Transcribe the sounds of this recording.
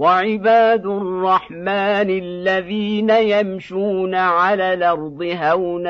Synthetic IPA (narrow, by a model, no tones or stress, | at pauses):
waʕɪbaːd̪ʊrˤːɑħmaːnɪlːaðiːnajamʃuːnaʕalaːlɑɾˤd̪ˤɨɦawna